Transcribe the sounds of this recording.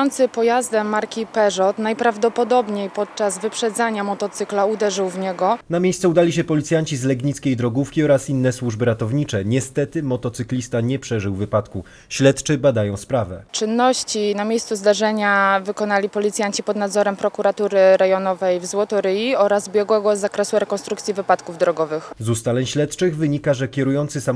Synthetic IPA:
ɔnt̪sɘpɔjazd̪ɛmːaɾkʲipɛʐɔt̪najpɾavd̪ɔpɔd̪ɔbɲejpɔt̪̚t͡ʂazvɘpʂɛd̪zaɲamɔt̪ɔt̪sɘklaud̪ɛʐɘwvɲɛɡɔnamʲjejsɛud̪alʲiɕɛpɔlʲit̪sʲjaɲt͡ɕizlɛɡɲit̪skʲejd̪ɾɔɡufkʲiɔɾasinːɛswuʐbɘɾat̪ɔvɲit͡ʂɛɲɛst̪ɛt̪ɘmɔt̪ɔt̪sɘklʲist̪aɲɛpʂɛʐɘwvːɘpat̪ku | ɕlɛt̪t͡ʂɘbad̪ajɔ̃w̃spɾavɛ̰t͡ʂɘnːɔɕt͡ɕinamʲejst̪suzd̪aʐɛɲavɘkɔnalʲipɔlʲit̪sʲjaɲt͡ɕipɔd̪nad̪zɔɾɛmpɾɔkuɾat̪uɾɘɾɛjɔnɔvɛjvzwɔt̪ɔɾɘjiɔɾazbʲjɛɡwɛɡɔzakɾɛsuɾɛkɔnt̪ɾukt̪sʲivɘpat̪kuvd̪ɾɔɡɔvɘxzust̪alɛɲɕlɛt̪t͡ʂɘɣvɘɲikaʐɛkʲɛɾujɔnt̪sɘsam

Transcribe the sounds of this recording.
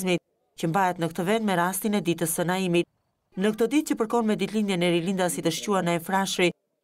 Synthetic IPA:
zmi | cəmbaɦɛt̪nəkt̪əvɛnd̪mɛɾast̪inɛd̪it̪əsːənaimit̪̚ | nək̚t̪ɔd̪it̪̚cəpəɾkɔnmɛd̪it̪lind̪jɛnɛɾilind̪asit̪əʃcuaɾnaɛfɾaʃɾi

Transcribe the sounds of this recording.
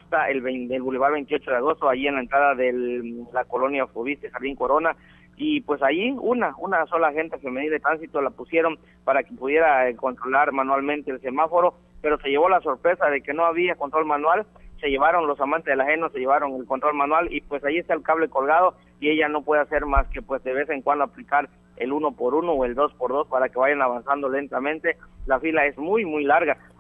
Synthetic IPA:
ast̪aelβed̪elβuleβaɾβe̞jnt̪iot͡ʃo̞ðeaɣ̞o̞st̪o̞aʝienlae̞nt̪ɾaðaðelako̞lonjafoβist̪exaɾβiŋkoɾo̞na | ipwe̞saʝiunaunaso̞laxe̞nt̪efe̞me̞niladet̪ɾansit̪olapusje̞ɾo̞n | paɾakepuðje̞ɾako̞nt̪ɾolaɾmanwalmẽnt̪e̞ːlse̞mafo̞ɾo̞ | pe̞ɾo̞se̞ʝe̞βo̞laso̞ɾpɾe̞saðe̞ke̞no̞aβ̞iakont̪ɾo̞lmanwal | se̞ʝe̞βaɾo̞nlo̞samant̪e̞zðelaxe̞nose̞ʝe̞βaɾo̞ŋe̞lko̞nt̪ɾo̞lmanwalipwe̞sajiest̪aelkaβ̞le̞ko̞lɣað̞o̞ | ie̞ʝano̞pwe̞ðase̞ɾmaske̞pwe̞sd̪e̞βe̞se̞ŋkwand̪oaplikaɾ | e̞̰luno̞po̞ɾuno̞oe̞ld̪o̞spo̞ɾðo̞spaɾake̞βaʝanaβansand̪o̞le̞nt̪amẽ̞nt̪e̞lafilae̞zmujmujlaɾɣa

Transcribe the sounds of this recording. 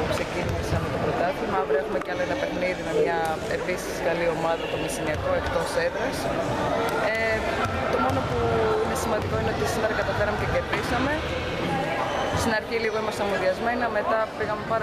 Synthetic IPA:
ksecinisɐmet̪opɾo̞t̪ɐθimɐvɾeefumeceɐloenɐpe̞xniðime̞mɲɐ | e̞pisi̥siɣɐlio̞mɐðɐt̪o̞misiniɐko̞e̞kt̪o̞seðɾɐs | e | t̪o̞mo̞no̞puine̞simɐnd̪iko̞ineo̞t̪isimeɾɐkɐt̪ɐfeɾɐmececeɾtisɐme̞ | st̪inɐɾçiliɣo̞imɐst̪ɐmoðiɐzme̞niɐme̞t̪ɐpiɣɐme̞pɐɾ

